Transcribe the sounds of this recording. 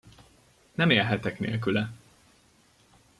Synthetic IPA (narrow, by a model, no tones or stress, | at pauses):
nɛmeːlɦɛt̪ɛknḛːlk̬ylɛ